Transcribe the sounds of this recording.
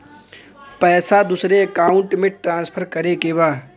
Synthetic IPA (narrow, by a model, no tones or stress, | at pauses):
pɛːsad̪ʊsɾeɐkaːʊ̃ɳʈmẽʈɾãːnspʰəɾkɐɾekebaː